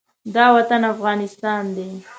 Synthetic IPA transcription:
d̪ɑwat̪anafɣɑnɪst̪ɑnd̪e

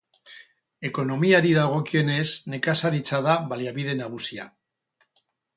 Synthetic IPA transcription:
e̞ko̞no̞miaɾiðaɣ̞o̞kie̞ne̞zne̞kasaɾit͡sað̞aβaliaβið̞e̞naɣ̞usia̰

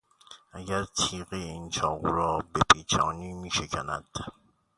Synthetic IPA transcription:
ajatʰiɣen̩t͡ʃɔuɾɔbepit͡ʃa̰nimiʃekana̰t

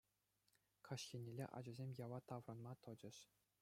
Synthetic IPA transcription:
kʰɑɕxʲinʲelʲḛʔɑ̰d͡ʑɤ̆zʲemʲjɑʋɑt̪ɑʋrɤ̆nmɑt̪ɤ̆d͡ʑɘ̆ɕ

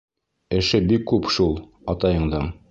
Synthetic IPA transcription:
ɘ̆ʃɘbikːʉpʃulˠ | ɑt̪ɑjɤ̆ɴd̪ɑɴ

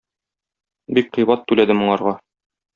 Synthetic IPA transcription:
bik̚qɤ̆jbɑt̪ːʉlæd̪ɘmŭɴɑɾʁɑ

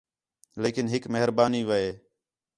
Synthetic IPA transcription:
leːkɪnɦɪkməɦɪɾbaːniːʋəeː

